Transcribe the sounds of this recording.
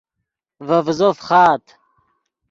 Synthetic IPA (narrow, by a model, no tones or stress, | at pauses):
vɐvzofχɑːt̪